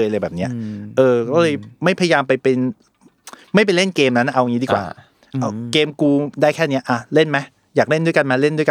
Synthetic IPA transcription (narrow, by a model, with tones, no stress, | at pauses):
jlɤː˧jbɛː˨˩p̚ni˦˥ɐʔɤː˧kɔː˥˩lɤː˧jma˥˩jpʰa˧ja˧jaː˧mpa˧jpe˧n | ma˥˩jp̬a˧jle˥˩nkeː˧mna˦˥na˥˩ʔa˧wa˨˧ŋiː˦˥diː˧˩kwa̰ː˨˩ | ʔa˧˩keː˧mkuː˧daː˥˩jkʰɛː˥˩ni˦˥ɐʔa˧˩le˥˩nma˦˥ | jaː˨˩k̚le˥˩ndu˥˩jka˧nma˧˩le˥˩ndu˥˩əka˧